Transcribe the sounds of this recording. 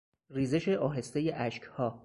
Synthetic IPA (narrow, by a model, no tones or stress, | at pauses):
riːzeʃe̞ʔɒːɦe̞st̪ejeʔæʃcʰhɒː